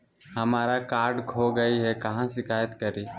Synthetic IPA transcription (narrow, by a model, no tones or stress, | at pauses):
hɐmaːɾakaːɾɖkʰoɡəiɦɛkɐɦãsɪkʰaːjət̪kəɾiː